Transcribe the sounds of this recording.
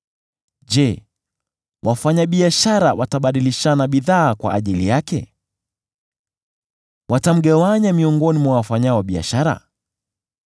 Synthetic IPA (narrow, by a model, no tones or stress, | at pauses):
ʄɛ | wafaɲaɓiaʃaɾawʔataɓaɗiliʃanaɓiðaːkwa̰ʔːʄilijakɛ̰ | wʔatam̩ɠawaɲamiɔŋɡɔnimwawafaɲaɔɓia̰ʃaɾa̰